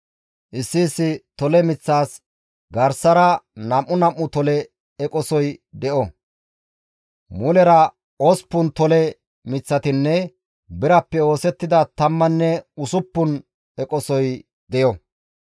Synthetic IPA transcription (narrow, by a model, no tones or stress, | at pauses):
ʔɪsːiːsːɪt̪ɔlɛmɪt͡sːaːs | ɡɐɾsɐɾɐnɐmːʊnɐmːʊt̪ɔlɛ | ɛkʼɔsɔjd̪ɛʔɔ | mʊlɛɾɐ | ospːʊnt̪ɔlɛ | mɪt͡sːɐt̪ɪnːɛ | bɪɾɐpːɛo̞ːsɛt̪ːɪd̪ɐt̪ɐmːɐnːɛʊsʊpːʊn | ɛkʼɔsɔj | d̪ɛjɔ